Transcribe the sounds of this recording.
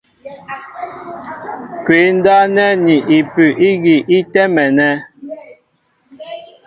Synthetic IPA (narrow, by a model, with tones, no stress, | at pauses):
kwe˨˦n̩˦da˦nɛ˦ni˨ʔi˨pʉ˨ʔi˦ɣi˨ʔi˦tɛ˦mɛ˨nɛ˦